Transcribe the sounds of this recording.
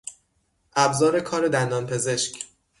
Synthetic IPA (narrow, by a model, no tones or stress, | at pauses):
ʔæbzɒːɾe̞kʰɒːɾe̞d̪ænd̪ɒːnpʰe̞ze̞ʃc